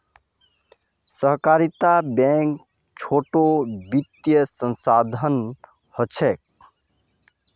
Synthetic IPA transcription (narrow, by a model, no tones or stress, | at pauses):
səɦkaɾit̪abɛ̃k | t͡ʃʰoʈobit̪jəsə̃nsad̪ʱən | hət͡ʃʰek̚